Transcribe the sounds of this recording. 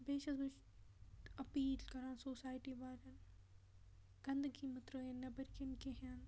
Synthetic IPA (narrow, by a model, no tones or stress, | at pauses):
beːʃɐbʊ | ɐpiːlkɐɾãːnsoːsaːjʈiʋaːɾɐn | ɡ̥ɐ̃nd̪ɡimɐt̪ɾoːenːɐbɪɾkɪnkeɦan